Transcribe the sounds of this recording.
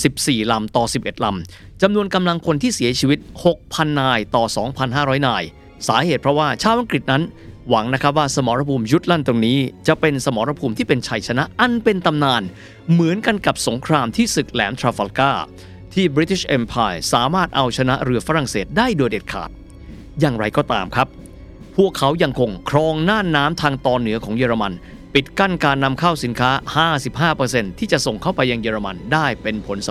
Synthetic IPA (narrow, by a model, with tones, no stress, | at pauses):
si˨˩p̚siː˨˩la˧mt̪ɔː˨˩si˨˩p̚ʔe˨˩t̪̚la˧m | t͡ɕa˧mnu˧ənka˧mla˧ŋkʰo˧nt̪ʰiː˥˩si˩˦ɐt͡ɕʰi˧wi˦˥t̪̚ho˨˩k̚pʰa˧nːaː˧jt̪ɔː˨˩sɔː˩˦ŋpʰa˧nɦaː˥˩ɾɔː˦˥jnaː˧j | saː˩˦ɦeː˨˩t̪̚pʰɾɔ˦˥waː˥˩t͡ɕʰaː˥˩wʔa˧ŋkɾi˨˩t̪̚na˦˥nwa˩˦ŋna˦˥kʰɾp̚waː˥˩sa˧mɔː˩˦ɾa˧pʰuː˧mju˦˥t̪̚la˥˩nt̪o˧ŋniː˦˥t͡ɕa˨˩ʔpe˧nsa˧mɔː˩˦ɾa˧pʰuː˧mt̪ʰiː˥˩pe˧nt͡ɕʰa˧jt͡ɕʰa˧na˦˥ʔʔa˧npe˧nt̪a˧mnaː˧n | mɯ˩˦ənka˧nka˨˩p̚so˩˦ŋkʰɾaː˧mt̪ʰiː˥˩sɯ˨˩k̚lɛː˩˦mt̪ʰɾaː˧fa˧lkaː˥˩ | t̪ʰiː˥˩bɾi˦˥t̪ʰi˦˥ɕʔe˧mpʰaː˧jsaː˩˦maː˥˩t̪̚ʔa˧wt͡ɕʰa˧na˦˥ʔɾɯ˧ɐfa˦˥ɾa˨˩ŋseː˨˩t̪̚daː˥˩jdoː˧jde˨˩t̪̚kʰa̰ː˨˩t̪̚ | jaː˨ŋɾa˧jkɔː˥˩t̪a̰ː˧mkʰɾa˦˥p̚ | pʰːu˥˩əkʰːa˦˥wja˧ŋkʰo˧ŋkʰɾɔː˧ŋnaː˥˩nːaː˦˥mt̪ʰaː˧ŋt̪ɔː˧nːɯ˩˦ɐkʰɔː˩˦ŋjeː˧ɾa˧ma˧n | pi˨˩t̪̚ka˥˩nkaː˧nːa˧mkʰa˥˩wsi˩˦nkʰaː˦˥haː˥˩si˨˩p̚ɦaː˥˩pɤː˧se˧nt̪ʰiː˥˩t͡ɕa˨˩ʔso˨˩ŋkʰa˥˩wpa˧jːa˧ŋjeː˧ɾa˧ma̰˧ndaː˥˩jpe˧npʰo˩˦ns